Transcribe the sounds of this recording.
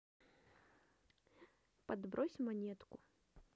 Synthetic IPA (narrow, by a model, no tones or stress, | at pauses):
pad̪bɾʔɔsʲmanʲɛt̪kʊ